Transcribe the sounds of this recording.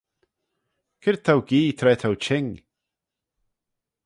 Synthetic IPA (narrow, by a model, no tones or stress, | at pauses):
kʰɪɾ̚t̪ʰawɡiːt̪ʰɾɛːt̪ʰawt͡ʃʰɪŋ